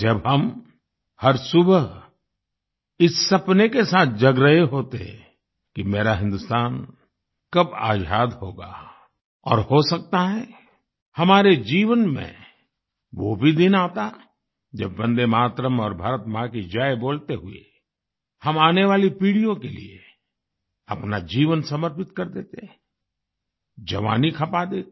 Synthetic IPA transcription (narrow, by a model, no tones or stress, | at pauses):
d͡ʒɐbɦɐm | hɐɾsʊbə | ɪsːɐpnekesaːt̪̚ʰd͡ʒɐɡɾəɦeɦoːt̪eɦɛ̰̃ | kimeːɾaɦɪ̃nd̪ʊst̪aːn | kɐba̰ːd͡ʒaːd̪hoːɡa̰ː | ɔ̰ːɾhosɐk̚t̪aɦɛ̃ː | hɐmaːɾed͡ʒiːʋənmḛ̃ | ʋobʱid̪ɪnaːt̪a | d͡ʒɐbːɐ̃nd̪emaːt̪ɾəmɔːɾbʱaːɾət̪mãkid͡ʒaːeboːlt̪eɦʊḛ | hɐmaːneʋaːlipiːɽijõkelḭḛ | ɐpnad͡ʒiːʋənsɐməɾpɪt̪kɐɾd̪eːt̪eɛ̃ | d͡ʒɐʋa̰ːnikʰɐpad̪eːt̪